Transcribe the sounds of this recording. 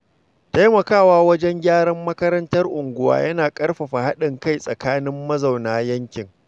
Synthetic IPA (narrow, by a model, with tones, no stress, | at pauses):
ta˦jmɐ˨kaː˦˨waː˦wɐ˦d͡ʒɛ˦ŋɡʲaː˦ɽɐ˦mːɐ˦kɐ˦ɾɐ˦ntɐ˦rʔʊ˨ŋɡʷʊ˦wa̰ː˦jɐ˦naː˨kʼɐ˦rɸa˨ɸa˨ha˦ɗɪ˨ŋka˦˨jsʼɐ˨kaː˦nɪ˦mːɐ˦za˨wnaː˦jɐ˦ŋkʲɪ˨ŋ